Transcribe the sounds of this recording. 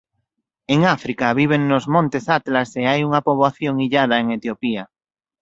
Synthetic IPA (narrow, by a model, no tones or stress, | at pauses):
eŋafɾikaβiβ̞eŋnozmõnt̪esat̪laseajuŋapoβaθjoŋiʎað̞aeŋet̪jopia